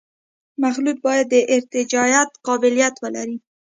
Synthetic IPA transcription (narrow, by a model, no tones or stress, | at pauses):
maxlut̪̚bɑjad̪ːəʔɪɾt̪ɪd͡ʒɑjat̪qɑbɪlijat̪wəla̰ɾi